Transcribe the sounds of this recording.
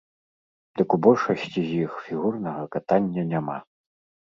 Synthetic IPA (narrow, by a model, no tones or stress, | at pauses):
d̪ɨkubɔlʲʂɐsʲt͡sʲizʲjixfʲiɣurnɐɣɐkat̪anʲːɐnʲama̰